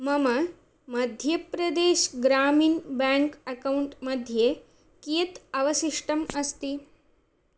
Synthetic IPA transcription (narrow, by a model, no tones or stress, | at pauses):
mɐmɐ | mɐd̪ʱjɐpɾɐd̪eːʃɡɾaːmiːnbæ̃ŋkɐkauɳʈmɐd̪ʱje | kiət̪ɐʋəsiʂʈɐmɐst̪i